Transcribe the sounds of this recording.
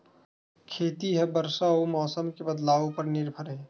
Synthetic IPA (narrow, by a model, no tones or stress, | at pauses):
kʰeːt̪iɦɛbəɾsaomɔːsəmkebəd̪laːʋopəɾnɪɾbʱəɾɦɛ̃ː